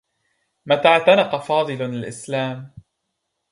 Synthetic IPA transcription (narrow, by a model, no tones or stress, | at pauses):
mat̪aʕt̪anɑqɑfɑːd̪ˤɨlɪlʔɪslaːm